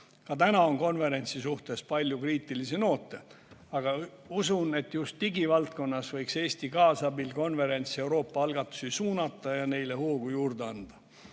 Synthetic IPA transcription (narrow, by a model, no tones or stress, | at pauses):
kɑt̪ænɑo̞nko̞nve̞ɾe̞nʲt̪sisuht̪e̞spɑlʲjukriːt̪ːˑiliseno̞ːt̪ːˑe̞ | ɑɡ̥ɑ | usune̞t̪ːˑjust̪ːiɡivɑlt̪̚ko̞nːɑsvɤjkse̞ːst̪ikɑːsɑbilko̞nve̞ɾe̞nʲt̪se̞wɾo̞ːpːˑɑɑlɡ̥ɑt̪ːˑu̥sisuːnɑt̪ːˑɑjɑne̞jle̞huːɡ̥ujuːrd̪̥eɑnd̪̥ɑ